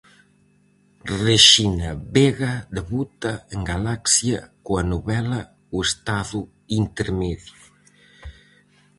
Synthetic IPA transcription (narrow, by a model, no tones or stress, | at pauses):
reʃinaβeɣaðeβut̪aeŋɡalaksjɐkuanuβɛlɐ | west̪aðu | int̪eɾmɛðju